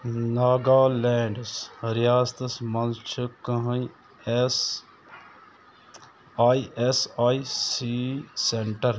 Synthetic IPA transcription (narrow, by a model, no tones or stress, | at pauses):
naːɡaːleːɳɖsɾjaːst̪ɐsmɐnt͡ʃʰɨkɐɦɐ | s | aːiesaːisiseɳʈɐɾ